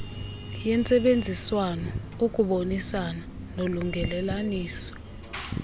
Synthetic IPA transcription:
jɛnt͡sʼɛɓend͡zʱiswanɔ | ukʼuɓonisana | noluŋɡʱɛlɛlaniːsɔ̥

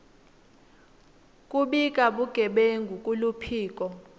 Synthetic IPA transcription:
kʼuɓik̬ʼaɓuɡ̥ʱɛɓeŋɡʱukʼulupʰiːk̬ʼɔ

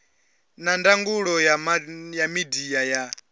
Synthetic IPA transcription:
nandaŋɡuɺɔjajamidijaja

